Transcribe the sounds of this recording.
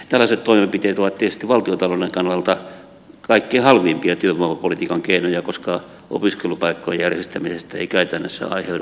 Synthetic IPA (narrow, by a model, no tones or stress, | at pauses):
t̪ælːæset̪t̪oimempit̪eːt̪oʋɑt̪t̪ːesest̪iʋɑlt̪iot̪ɑloeŋkɑnːɑlt̪ɑ | kɑikːeːhɑlʋimpiɑt̪yømɑʋɑpolit̪iːkɑŋkeinojɑkoskɑ | ʔo̰piskelupɑikːojḛjærjest̪æmisest̪æḛikæyt̪ænːøsːæ̰ɑ̰iheuu